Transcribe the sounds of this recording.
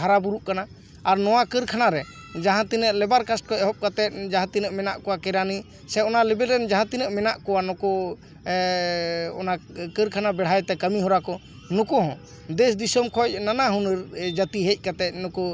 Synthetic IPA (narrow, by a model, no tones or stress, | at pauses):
aɾabuɾuʔkana | aɾnɔwakəɾkʰanaɾɛ | d͡ʒaɦãt̪inəʔlɛbaɾkasʈ̚kɔɛɦɔp̚kat̪ɛt̪̚ˀd͡ʒaɦãt̪inəʔmɛnaʔkɔwakɛɾani | sɛɔnalɛbɛlɾɛnd͡ʒaɦãt̪inəʔmɛnaʔkɔwanɔkɔ | ɔnakəɾkʰanabɛɽ̤ajt̪ɛkəmiɦɔɾakɔ | nɔkɔɦɔ̃ | d̪ɛsd̪isɔmkʰɔc̚nanaɦunəɾd͡ʒət̪iɦec̚ˀkat̪ɛt̪̚nɔkɔ